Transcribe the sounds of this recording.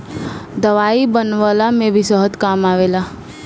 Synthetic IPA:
d̪əʋaːibənʋalamẽbʱisəɦət̪kaːmaːʋela

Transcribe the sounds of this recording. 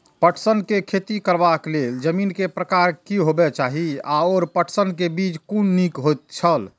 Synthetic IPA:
pəʈʰsənkekʰet̪ikəɾbakleld͡ʒəminkepɾəkaɾkiɦobɛt͡ʃaɦiaɔːɾpəʈʰsənkebit͡ʃkunːikɦot̪̚t͡ʃʰəl

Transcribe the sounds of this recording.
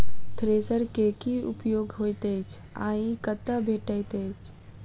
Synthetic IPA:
t̪ʰɾesəɾkekiṵpjoːɡɦojt̪əjt͡ʃʰã̰ikət̪ːabʱeʈəjt̪əjt͡ʃʰ

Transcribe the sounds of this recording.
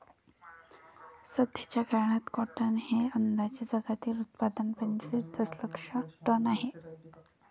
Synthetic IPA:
səd̪ʱjat͡ɕjakaɾɳat̪kɔʈənheənd̪at͡ɕed͡zəɡat̪iːlut̪̚pad̪ənpəɲt͡ɕʋid̪əsləkʂaʈənaɦe

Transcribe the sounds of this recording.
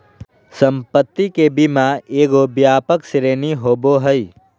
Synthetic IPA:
səmpət̪ːikebimaeːɡobjaːpəksɾeːniɦoːboɦəi

